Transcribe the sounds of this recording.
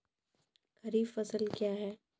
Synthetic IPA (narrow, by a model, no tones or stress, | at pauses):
kɐɾiːbfɐsəlkjaːɦɛː